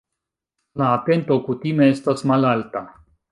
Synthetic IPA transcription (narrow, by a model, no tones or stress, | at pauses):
laːte̞nto̞kutime̞estasmalalta